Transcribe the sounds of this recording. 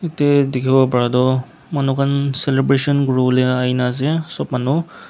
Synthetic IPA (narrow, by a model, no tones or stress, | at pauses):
itedikʰibabaɹadɔ | manukʰanselebɾesɔnɡɹoleajnazesɔp̚manu